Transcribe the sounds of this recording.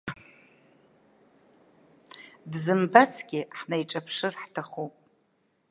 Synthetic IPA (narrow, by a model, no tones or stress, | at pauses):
dzɨmbat͡sʰɡʲɪħnajʈ͡ʂʼapʰʂɨrħtʰaχupʼ